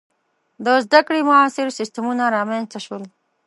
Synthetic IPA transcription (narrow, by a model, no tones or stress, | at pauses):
d̪əzd̪akɽimʊaːsɪɾsɪst̪amunaɾɑːmenst̪aʃwəl